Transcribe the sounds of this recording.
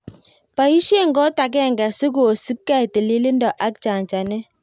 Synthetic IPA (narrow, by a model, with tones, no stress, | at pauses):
pa˨ji˦ʃe˦˨ŋ̩˦ɡɔ˦ta˨ɡ̬ɛ˦˨ŋ̩˨ɡa˨se˦ɡo˨si˦p̚ka˦˨te˨le˦le˦n̩˦dɔ˨ʔa˦k̚t͡ʃa˨n˨t͡ʃa˨ne˦